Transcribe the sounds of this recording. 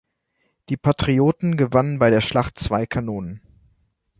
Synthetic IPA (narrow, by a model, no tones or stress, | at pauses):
d̥iːpʰatʁ̥ioːtn̩ɡəvanənbaɪɾeːɐʃlaχtt͡sv̥aɪkʰanoːnən